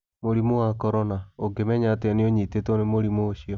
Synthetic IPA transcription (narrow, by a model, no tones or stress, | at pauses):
moɾimowakɔɾɔnaoɡemɛɲateaneoɲitetonemoɾimoːɕiɔ